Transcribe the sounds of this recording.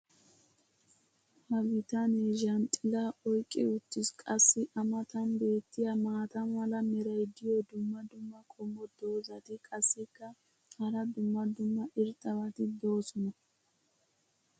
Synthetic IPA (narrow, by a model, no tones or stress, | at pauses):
hɐwɪt̪ɐneʒɐnt̪ʼɪlɐɔjkʼːɛʊt̪ːɪskʼɐsːɪʔɐmɐt̪ɐnbe̞ːt̪ːɪjɐmaːt̪ɐnwɐlɐmɛɾɐjd̪ɪjɔd̪ʊmːɐd̪ʊmːɐkʼɔmɔd̪o̞ːzɐt̪ɪkʼɐsːɪkːɐ | hɐɾɐd̪ʊmːɐd̪ʊmːɐʔɪɾt̪ʼːɐwɐt̪ɪd̪o̞ːsɔnɐ